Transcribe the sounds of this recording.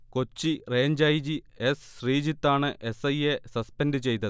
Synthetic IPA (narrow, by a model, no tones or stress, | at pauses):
ko̞t͡ɕːireːɲd͡ʑajd͡ʑi | esɕriːd͡ʑit̪ːaːɳɨʔe̞sɐjesɐspendɨt͡ɕe̞jt̪ːɐðɨ